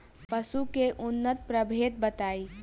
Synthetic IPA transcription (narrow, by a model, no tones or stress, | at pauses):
pɐsukeʔʊnːət̪pɾəbʱeːt̪̚bɐt̪aːiː